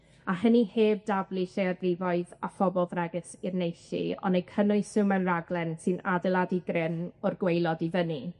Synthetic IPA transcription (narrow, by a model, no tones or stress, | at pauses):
aɦəniheːb̚davlˠiʃejarrɪvɔɨðafɔbɔlˠðrɛɡɨsirnejʃḭɔ̰nejkʰənʊɨsɨmɛnraɡlˠɛnsɨnadɛlˠadiɡrɪnɔrɡwejlˠɔdivəni